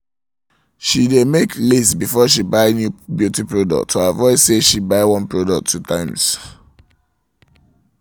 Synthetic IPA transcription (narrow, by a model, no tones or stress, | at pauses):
ʃidemekʰlisbifɔʃibaɪnjubjutipɹodɔ̰k̚tʰːoavɔɪseʃibaɪwɔ̃npɹɔdɔk̚tʰːutʰãɪ̃ms